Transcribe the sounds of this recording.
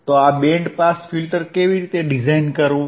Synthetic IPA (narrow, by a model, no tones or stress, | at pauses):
t̪oaɓẽɳɖpaːsfilʈəɾkeʋiɾiːt̪eɖɪzaːɪnkəɾõ